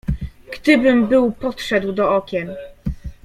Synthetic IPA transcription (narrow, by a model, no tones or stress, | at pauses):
ɡ̥d̪ɘbɘmbɘwpɔtʂɛd̪wd̪ɔɔkʲɛn